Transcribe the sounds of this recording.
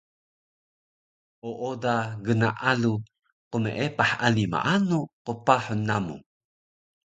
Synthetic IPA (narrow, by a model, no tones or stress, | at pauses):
ʔoʔodaɡənaʔalu | qumeʔepaħanima̰ʔanuqupaħunːamṵ